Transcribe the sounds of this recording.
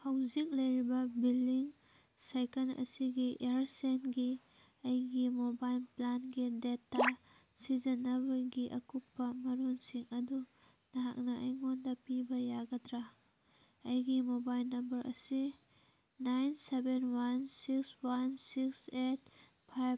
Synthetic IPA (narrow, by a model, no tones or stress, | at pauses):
hɐwzik̚lɐjɾibɐbilːiŋ | sajkɐnɐ̰siɡiʔeɾsenɡi | ɐjɡimobajlplanɡidetːa | sizɐnɐbɐɡiʔɐkupːɐmɐɾunsiŋɐdu | nɐɦak̚nɐʔɐjŋondɐpibɐjaɡɐtɾa | ɐjɡimobajlnɐmbɐɾʔɐ̰si | najnsebenwansikswansikset̚ | pʰajb̚